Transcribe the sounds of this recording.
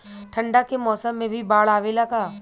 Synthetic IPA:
ʈʰɐ̃ɳɖakemɔːsəmːẽbʱibaːɭaːʋeːlakaː

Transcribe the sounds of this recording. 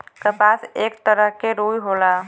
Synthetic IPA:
kəpaːseːkt̪əɾəɦkeɾuːjɦoːlaː

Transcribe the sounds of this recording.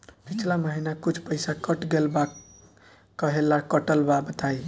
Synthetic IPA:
pit͡ʃʰlaməɦinakut͡ʃʰpəjsakəʈɡelba | kəɦelakəʈəlbabət̪aj

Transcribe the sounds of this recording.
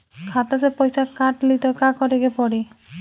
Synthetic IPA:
kʰat̪ɔsepɔjsakaʈlit̪ɔkakɔɾeɡepɔɽi

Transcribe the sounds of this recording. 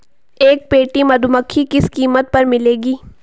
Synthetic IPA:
eːk̚peːʈimɐd̪ʊməkʰːikɪskiːmət̪̚pɐɾmɪleːɡiː

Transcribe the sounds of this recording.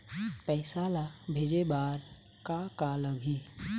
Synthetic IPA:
pɛːsaːlabʱeːd͡ʒebaːɾ | kakaləɡʱi

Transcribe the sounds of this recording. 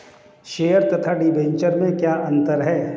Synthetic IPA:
ʃeːəɾt̪ɐt̪ʰaɖibẽɲt͡ʃəɾmẽkjaːɐ̃nt̪əɾɦɛː

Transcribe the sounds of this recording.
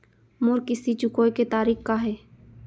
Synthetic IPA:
mʊɾkɪsit͡ʃʊkoːjket̪aːɾiːxkaɦɛː

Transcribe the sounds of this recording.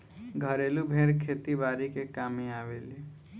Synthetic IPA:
ɡʱəɾeːlubʱeɾkʰeːt̪ibaːɾikekaːmiaːʋeːli

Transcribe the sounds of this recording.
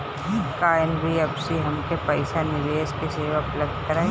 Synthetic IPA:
kaːjənbʱiɐbsiɦɐmkepɐɪsanɪʋeːskeseːʋaɐpləbd̪ʱkɐɾa

